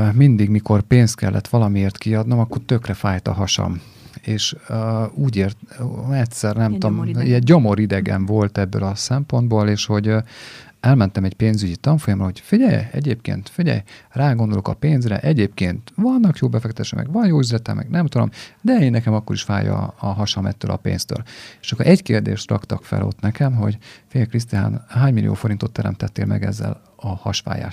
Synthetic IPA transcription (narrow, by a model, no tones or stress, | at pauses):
mind̪iɡmiko̞rpeːnst̪̚kɛ̰lːʔɛ̰t̪ʋɒlɒmieːrt̪kiɒd̪no̞mɒkːo̞rt̪ø̞krɛfaːjt̪ɒ̰ɦɒʃɒ̰m | eːʃ | uːɟeːrt̪ɛtʲsɛrnɛmomiɛnɟo̞mo̞ɾid̪ɛɡɛ̰ɱvo̞lt̪ɛbːø̰lɒsɛmpo̞nd̪boːleːʃho̞ɟ | ɛlmɛnt̪ɛmɛɟpeːnzyɟit̪ɒɱfo̞jɒmrɒɦo̞cfiɟɛ̰jɛ̰ɟeːpkḛːnt̪fiɟɛ̰jraːɡo̞nd̪o̞lokɒpeːnzrɛ̰ʔɛɟeːp̚keːnt̪vɒnːɒkjoːbɛfɛkt̪ɛt̪eːʃɛkmʔɛ̰ɡʋɒnjoːyzrɛt̪ɛmɛ̰ɡnɛmt̪ud̪o̞̰md̪ɛeːnːɛkɛmɒkːo̞ɾiʃfaːjɒ̰ɒɦɒʃɒlmɛ̰t̪ːøːlʔɒ̰pḛːnst̪ø̰ːleʃokːoɾʔɛɟkeːrd̪ḛːʃt̪rɒ̰kt̪ɒkfɛ̰lo̞̰t̪nɛkɛmɦo̞̰ɟfiɟɛjkris̬t̪ia̰ːnɦaːɲmilʔḭjo̰ːfo̞ɾint̪o̞t̪ːɛɾɛ̰mt̪ɛt̪ːeːlmɛ̰ɡɛ̰zːɛ̰l | ɒhɒʃʋa̰ːja̰ːʃ